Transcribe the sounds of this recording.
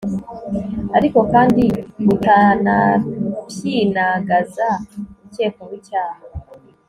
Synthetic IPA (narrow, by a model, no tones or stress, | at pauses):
aɾiko̞kaːndiβutanabjiːnaɡazamuce̞ːkomwicaːha